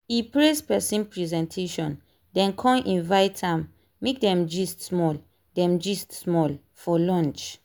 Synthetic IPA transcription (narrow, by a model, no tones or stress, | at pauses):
ipɹespɛsĩnpɹizɛ̃ntʰeʃɔ̃n | dɛ̃nkʰɔ̃mʔĩnvaɪtʰãmː | ek̚dɛ̃md͡ʒistsmɔl | dɛ̃md͡ʒistsmɔl | fɔlɔ̃nt͡ʃ